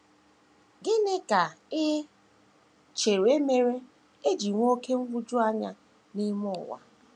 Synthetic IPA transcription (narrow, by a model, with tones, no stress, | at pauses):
ɡɪ˦ne˦ka˨e˦ | t͡ʃe˨ɾe˦me˦ɾe˦ | e˦d͡ʒi˨ŋʷ˦o˦ke˦m̩˦vʊ˦d͡ʒʊ˦a˦ɲa˦ | ni˦mʊ˦˨wa̰˨